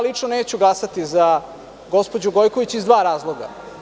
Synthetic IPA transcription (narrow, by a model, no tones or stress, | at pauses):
lit͡ʂnoneːt͡ɕuɡlˠasat̪iza | ɡo̞spo̞d͡ʑuɡo̞jko̞ʋit͡ɕizd̪ʋaːɾaːzlˠo̞ɡa̰